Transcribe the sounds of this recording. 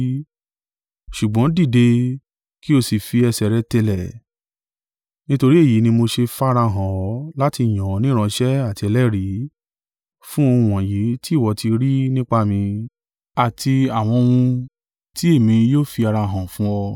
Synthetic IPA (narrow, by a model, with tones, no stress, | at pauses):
ʃu˨ɡ͡bɔ̃˨˦di˦˨de˧ | ki˦o˧si˨fi˧ɛ˧sɛ˨ɾɛ˦te˧lɛ˨ | nĩ˦to˧ɾi˦e˦˨ji˨˦nĩ˧mo˧ʃe˧fa˦˧ɾa˧ɦã˨ɔ˨˦la˦ti˧˨j̃ã˨ɔ˨˦nĩ˦ɾ̃ã˧ʃɛ˦a˦˨ti˧ɛ˧lɛ˦˨ɾi˨˦ | fũ˦õ˧ũ˧w̃ɔ̃˨ji˨˦ti˦˨wɔ˧˦ti˧ɾi˦nĩ˦k͡pa˧mĩ˧ | a˨ti˧a˨w̃ɔ̃˧wũ˧ | ti˦e˦˨mĩ˧joː˦fi˧a˧ɾa˧ɦã˨fũ˦ɔ˧